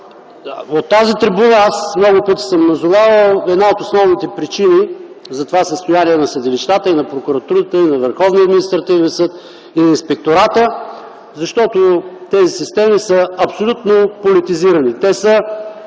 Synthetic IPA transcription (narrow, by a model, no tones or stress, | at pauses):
ot̪ːazit̪ɾibunaasmnɔɡʊpɤt̪i̥səmnɐzʊvavəlˠɛd̪naot̪osnɔvnit̪ɛpɾit͡ʃini | zɐt̪ovasəst̪ojaniɛnɐsəd̪iliʃt̪at̪əinɐpɾokuɾɐt̪uɾət̪əinɐvəɾxɔvniɐd̪minist̪ɾɐt̪ivnɛnsɤt̪ | inɐinspɛk̚t̪oɾat̪ə | zɐʃt̪ɔt̪ot̪ɛzisist̪ɛmisəɐpsolʲut̪nopolit̪iziɾənit̪ɛsə